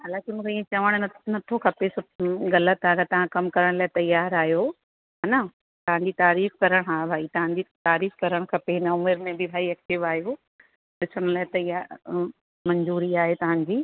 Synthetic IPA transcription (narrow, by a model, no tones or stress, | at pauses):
ɐlakimũːkʰeiːẽt͡ɕɐʋəɽ̃ɐnɐt̪ʰokʰɐpesoɣɐlət̪aːɡat̪ɐʋ̤ãkɐmkɐɾəɽ̃laːɪt̪ɐjaːɾaːɦjo | ɦɐnɐ | t̪ɐʋ̤ãɲd͡ʑiːt̪aːɾiːfkɐɾəɽ̃ɦaːbʱaːit̪ɐʋãɲd͡ʑit̪aːɾiːfkɐɾəɽ̃kʰɐpenɐʊmɪɾmẽbʱɪbʱaːiɐk̚ʈɪʋaːɦijo | ɗɪsəɽ̃laːɪt̪ɐɪɦa | mɐ̃ɲzuːɾiaːɦet̪ɐʋ̤ãɲd͡ʑiː